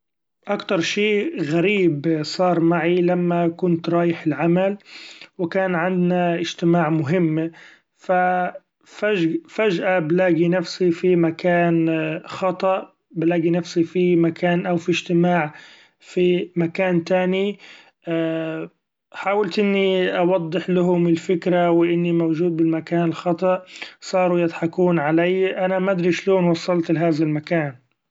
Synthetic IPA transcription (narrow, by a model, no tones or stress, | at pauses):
ʔakt̪ɑɾˤʃiːɣaɾiːbsˤɑːɾˤmaʕilamːakʊnt̪ɾˤɑːjɪħɪlʕamalwɪkaːnʕɪnd̪naʔɪʒ̥t̪ɪmaːʕmʊɦɪmː | fa | fafaʒʔablaːɡinafsifimakʰaːnxɑt̪ˤɑʔ | blaːɡinafsifimakʰaːnʔawfiʒt̪ɪmaːʕ | fimakaːnt̪aːni | ʔ | ħaːwalt̪ʔɪnːiʔɑwɑd̪ˤːɨħlaɦʊmɪlfɪkɾawɪʔɪnːimawʒuːd̪̚bɪlmakaːnɪlxɑt̪ˤɑʔsˤɑːɾujɪd̪ħɑkuːnʕalajʔanamad̪ɾiʃloːnwɑsˤːɑlt̪lɪɦaːðalmakaːn